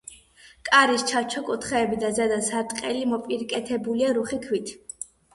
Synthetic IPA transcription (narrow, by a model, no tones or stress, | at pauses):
kʼaɾist͡ʃʰat͡ʃʰɔkʼut̪ʰχɛːbid̪azɛd̪asaɾt̪ʼqʼɛlimɔpʼiɾkʼɛt̪ʰɛbuliaɾuχikʰwit̪ʰ